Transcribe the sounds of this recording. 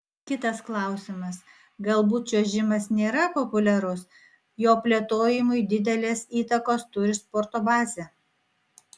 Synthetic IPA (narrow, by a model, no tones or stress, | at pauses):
kʲɪt̪ɐsklˠɐˑʊsʲɪmɐs | ɡɐlˠbuːt̪̚t͡ʃʲoːʒʲɪmɐsnʲeːɾɐpɔpʊlʲɛɾʊs | joːpʲlʲeɛt̪oːjɪmʊɪd̪ʲɪd̪ʲɛlʲeːsiːt̪ɐkoːst̪ʊɾʲɪspɔːɾt̪oːbɑːzʲɛ